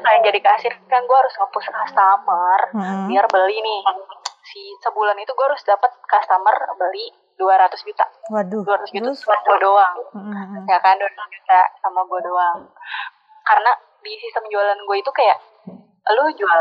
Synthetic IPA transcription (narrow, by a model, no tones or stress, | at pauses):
kajaŋd͡ʒadikasɪrkajaŋɡuahaɾʊsŋəpʊskast̪amərnirbəlinɪhsisəbulanit̪uɡuaaɾʊsdapət̪̚kast̪amərbəli | duaɾat̪ʊsd͡ʒut̪aduaɾat̪ʊsd͡ʒut̪asamaɡuadoaŋkajakajanduaɾat̪sd͡ʒut̪asamaɡuadoaŋ | kaɾəna | disist̪əmd͡ʒualanɡuait̪ukajaʔ | lʊd͡ʒua